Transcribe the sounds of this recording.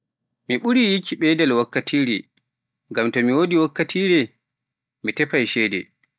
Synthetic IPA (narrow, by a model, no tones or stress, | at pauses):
miɓuɾijikʰːiɓɛdɛlwakːatʰiːɾi | ŋɡamtɔmiwodiwakːatʰiːɾɛ | mitɛpajʃɛjdɛ̰